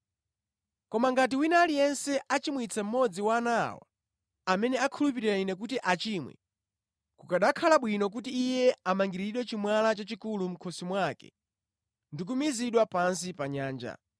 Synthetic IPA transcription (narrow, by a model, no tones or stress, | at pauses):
kɔmaŋɡat̬iwinaːlijɛnsɛʔat͡ʃimwit͡sʰɛm̩mɔd͡ziwaːnawa̰ | amɛnɛakʰulup̬iɾiɾainɛk̬utiʔat͡ʃimwɛ̰ | kukaɗakʰalaɓwinɔk̬utiːjɛamaŋɡiɾiɗwɛt͡ʃimwalat͡ʃat͡ʃikulum̩kʰɔsimwakɛ̰ | ndik̬umiziɗwapans̬ipaɲaːnd͡ʒa̰